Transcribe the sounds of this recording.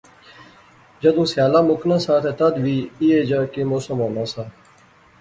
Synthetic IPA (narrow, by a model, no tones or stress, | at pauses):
d͡ʒəd̪ũːsjaːlãːmʊknãːsãːt̪ʰeːt̪əd̪ʋiːiːeːd͡ʒaːkeːmoːsəmoːnãːsãː